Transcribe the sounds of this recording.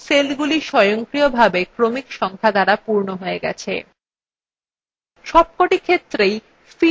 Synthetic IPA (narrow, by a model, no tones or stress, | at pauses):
selɡuliʃɔjoŋkɾiobʱabekɾomikʃɔŋkʰad̪aɾapuɾnoɦoeɡɛ̰t͡ɕʰḛ | ʃɔb̚koʈikʰet̪ːɾej | fi